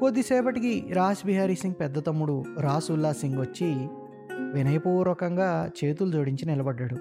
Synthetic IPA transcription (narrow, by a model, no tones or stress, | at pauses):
kod̪ːisɛːpɐʈikiɾaːsbiɦaːɾiːsiŋɡ̚pɛd̪ːɐt̪ɐmːuɽuɾaːsulːaːsiŋɡʋɐt͡ʃːi | ʋinɐjɐpuːɾʋɐkɐŋɡaːt͡ʃe̞ːt̪̬ulud͡ʒoːɽiɲt͡ʃinilɐbɐɖːɐɽu